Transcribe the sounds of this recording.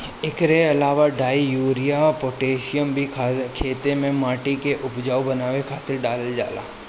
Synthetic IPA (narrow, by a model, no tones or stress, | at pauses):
ɪkɾeɐlaːʋaɖaːijuːɾijapoːʈeːʃɪjəmbʱikʰːkʰeːt̪emẽmaːʈikeʔʊpd͡ʒaːubɐnaːʋekʰaːt̪ɪɾɖaːld͡ʒa̰ːla̰ː